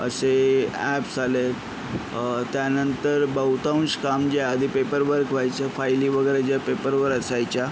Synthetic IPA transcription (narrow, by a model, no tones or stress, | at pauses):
ə̰seæpsale | t̪janənt̪əɾbəwt̪ãw̃skamd͡ʑeəd̪ʱipepəɾʋəɾkʋajt͡ɕafajliːʋəɡəjɾed͡ʑjapepəɾʋəɾəsajt͡ɕja